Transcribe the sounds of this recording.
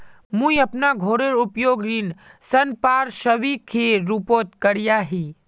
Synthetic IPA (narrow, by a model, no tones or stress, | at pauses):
mũiɐpnaɡʱoːɾeɾʊpjoːɡɾinsɐnpaːɾʃəʋikʰeɾupoːt̪kəɽijaɦi